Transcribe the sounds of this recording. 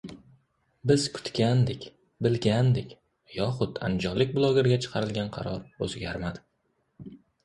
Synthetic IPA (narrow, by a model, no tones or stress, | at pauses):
bɪzkʰʊ̥t̪kʲand̪ɪkʲ | bɪlɡʲand̪ɪkʲ | jɒχʊt̪a̰nd͡ʒɒlːɪk̚ʲbʊlˠoɡʲeɾɡʲat͡ʃʰɨ̥qʰɑɾɪlɡʲanqʰɑ̰ɾɒɾɵzɡʲaɾmad̪ɪ